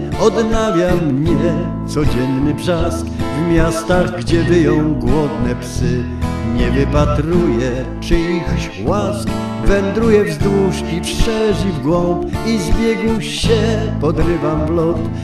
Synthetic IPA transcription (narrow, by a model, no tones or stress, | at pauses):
ɔd̪navʲjamɲɛ | t̪sɔd͡ʑɛnːɘbʐaskvmʲjast̪aɣɡd͡ʑɛvɘjɔ̃w̃ɡwɔd̪nɛpsɘ | ɲɛvɘpat̪ɾujɛ | t͡ʂɘixɕ | wask | vɛnd̪ɾujɛvzd̪wuʂkʲipʂɛʐivɡwɔmpizbʲjɛɡuɕɛ | pɔd̪ɾɘvamvlɔt̪